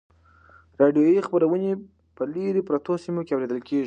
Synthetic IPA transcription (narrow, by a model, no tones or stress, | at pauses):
ɾɑɖjojixpəɾawəne | pəleɾepɾat̪osimokeawɾed̪əlkeʒi